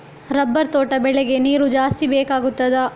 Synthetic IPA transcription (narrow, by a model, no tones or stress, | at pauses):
ɾɐbːɐɾt̪oːʈɐbɛɭɛɡe̞niːɾud͡ʒaːst̪ibeːkaːɡut̪ːɐd̪ɐ